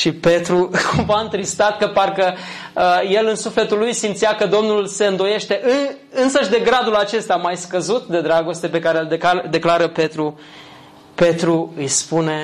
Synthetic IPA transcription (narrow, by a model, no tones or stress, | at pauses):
ʃipe̞t̪ɾukʰumvaɨnt̪ɾist̪at̪̚kəparkə | je̞lɨnsufle̞t̪ulːujsimt̪sijakəd̪o̞mnulse̞ɨnd̪o̞je̞ʃt̪e̞ʔɨ | ɨnsəʃd̪e̞ɡɾad̪ulat͡ʃe̞st̪amajskəzut̪d̪e̞d̪ɾaɡo̞st̪e̞pe̞kaɾeld̪ekad̪e̞klaɾəpe̞t̪ɾu | pe̞t̪ɾuɨjspune̞